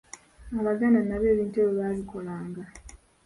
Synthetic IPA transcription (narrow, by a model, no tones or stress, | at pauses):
aβaɡananaβe̞ːβiːnte̞ːβiβaβiko̞laːŋɡa